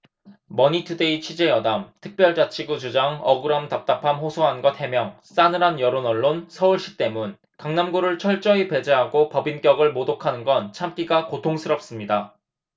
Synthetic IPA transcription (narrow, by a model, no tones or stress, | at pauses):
mʌɲitʰɯde̞it͡ɕʰɥid͡ʑe̞jʌdamtʰɯk̚p͈jʌɭt͡ɕ͈at͡ɕʰiɡud͡ʑud͡ʑaŋʌɡɯɾʌmtap̚t͈apʰamɸosʰoɦanɡʌthe̞mjʌŋ | s͈anɯɾanjʌɾonʌɭːonsʰʌuɭɕ͈i̥k̚t͈e̞mun | kaŋnamɡuɾɯɭt͡ɕʰʌɭt͡ɕ͈ʌipe̞d͡ʑe̞ɦaɡopʌbink͈jʌɡɯɭmodokʰanɯnɡʌnt͡ɕʰamk͈iɡakotʰoŋsʰɯɾʌp̚s͈ɯmɲida